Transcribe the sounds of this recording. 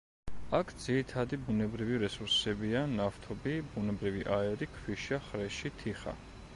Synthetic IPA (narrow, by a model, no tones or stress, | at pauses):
akʰd̪z̥iɾit̪ʰad̪ibunɛbɾiviɾɛsuɾsɛbianaft̪ʰɔbibunɛbɾiviʔaɛɾikʰviʃaχɾɛʃit̪ʰiχa̰